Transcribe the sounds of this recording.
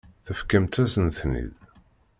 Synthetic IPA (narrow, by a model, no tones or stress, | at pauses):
θəfkəmt̪æsənθnḭð